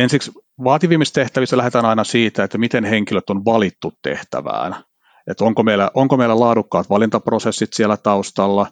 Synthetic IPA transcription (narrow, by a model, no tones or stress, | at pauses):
ensiksʋɑːt̪iʋiːmist̪eht̪æʋist̪ælæhet̪æːnɑinɑsiːt̪æet̪ːæmit̪enheŋkiløt̪ːonʋɑlit̪ːut̪tḛht̪æ̰ʋæ̰ːn | et̪oŋkomeilːˑæʔoŋkomeilælɑːdukːɑːt̪ʋɑlint̪ɑprosesːit̪sielːæt̪ɑust̪ɑlːɑ